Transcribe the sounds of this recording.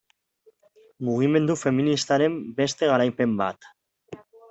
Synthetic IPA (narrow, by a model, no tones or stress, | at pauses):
muɣ̞ime̞nd̪ufeminist̪aɾembest̪eɣ̞aɾajpemba̰t̪